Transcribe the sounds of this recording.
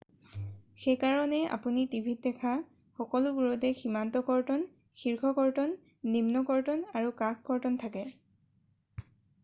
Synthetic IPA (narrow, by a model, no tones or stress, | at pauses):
xejkaɹɔnɛa̰punitibʱit̚dɛkʰa | xɔkɔluɡuɹɔtɛximantɔkɔɹtɔn | xiɹkʰɔkɔɹtɔnː | imnɔkɔɹtɔnaɹukakkɔɹtɔntʰakɛ